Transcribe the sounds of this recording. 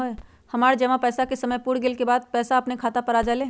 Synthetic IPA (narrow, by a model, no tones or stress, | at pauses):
ɦe | hɐmaːɾd͡ʒɐʋãpɛːsakesɐməjpuɽɡɪlkebaːd̪̚pɛːsaɐpnekʰaːt̪apəɾaːd͡ʒaːlẽː